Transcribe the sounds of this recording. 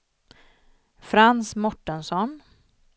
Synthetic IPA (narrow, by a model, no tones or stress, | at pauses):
fɾansmɔʈːənsɔn